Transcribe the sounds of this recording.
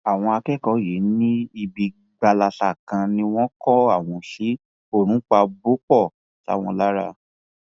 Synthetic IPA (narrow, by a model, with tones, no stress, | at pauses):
a˨w̃ɔ̃˧a˧kɛ˦kɔ˨˦ji˨˦nĩ˦i˧bi˧ | ɡ͡ba˧la˧sa˦˨kã˧nĩ˧w̃ɔ̃˦kɔ˦a˦˨w̃ɔ̃˧ʃi˨˦ | o˦˨ɾ̃ũ˨˦k͡pa˧bo˦k͡pɔ˦˨ | ta̰˨˦w̃ɔ̃˧la˦ɾa̰˧˨